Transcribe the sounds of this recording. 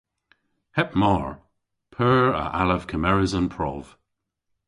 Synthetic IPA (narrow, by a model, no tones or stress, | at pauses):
hɛp̚mɔɹ | pʰɜːɹə̰ʔaləv̥kʰəmɛɹɪzə̃npʰɹ̥ɔ̰v̥